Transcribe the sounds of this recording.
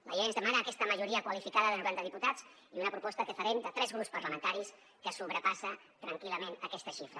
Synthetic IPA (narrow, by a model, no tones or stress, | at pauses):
lə̰ʎenzðəmanəːkɛst̪əməʒuɾiəkwəlifikaðəðənuβɛld̪əðiput̪az | iunəpɾupɔst̪ət̪əfəɾend̪ət̪ɾɛzɣɾupspəɾləmənt̪aɾis | kəsuβɾəpasə | t̪ɾəŋkiləmenəkɛst̪əʃifɾə